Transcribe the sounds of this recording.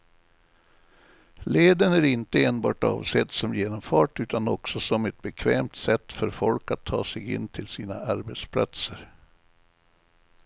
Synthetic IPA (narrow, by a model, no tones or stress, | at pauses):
leːd̪ənæɾɪnt̪əeːnbɑ̰ːʈɑ̰ːvsɛt̪ːsɔmjeːnɔmfɑːʈʉ̟ːt̪anɔksɔsɔmɛt̪̚bɛkʰvɛːmt̪sɛt̪ːfœɾfɔlkat̪ʰːɑ̰ːsɛɡɪ̰nːt̪ʰɪlsiːnaʔaɾbɛt̪spʰla̰t̪səɾ